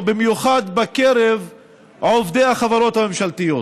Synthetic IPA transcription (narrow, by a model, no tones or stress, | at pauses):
bimjuχad̪bakeɾev | aovd̪ejhaχavaɾo̞t̪hame̞mʃalt̪ijo̞